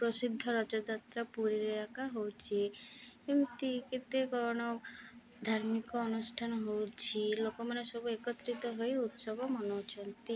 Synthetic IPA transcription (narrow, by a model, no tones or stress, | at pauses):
pɾɔsid̪ʱːɔɾɔt͡ʃɔd͡ʒat̪ɾapuɾiɾɔjakaɦowt͡ʃʰiemt̪iket̪ekɔɾɽ̃ɔ | d̪ʱaɾmikɔːnusʈʰanɦowt͡ʃʰilokɔmanesɔbuekɔt̪ɾit̪ɔɦojut̪sɔbʱɔmɔnot͡ʃʰɔnt̪i